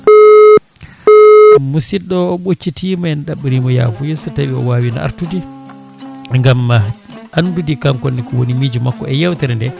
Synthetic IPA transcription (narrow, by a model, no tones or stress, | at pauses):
musiɗɔɓot͡ʃːitimaɛnɗaɓːiɾiːmɔja̰fujisɔtaɓiɔ̰waːwina̰ʔa̰ɾtudi | ŋɡamːa | andudikamkɔnːikɔwonimid͡ʒumakːɔɛjɛwtɛɾɛndɛ